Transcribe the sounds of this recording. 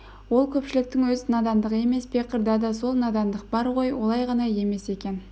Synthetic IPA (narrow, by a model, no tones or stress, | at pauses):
wo̞lˠkʲʰɵpʃɪlɪk̚t̪ɪŋwɵzɪnɑd̪ɑnd̪əʁe̞me̞sbeqəɾd̪ɑd̪ɑso̞lˠnɑd̪ɑnd̪əq̚bɑɾʁo̞jwo̞lˠɑjʁɑnɑje̞me̞se̞kʲe̞n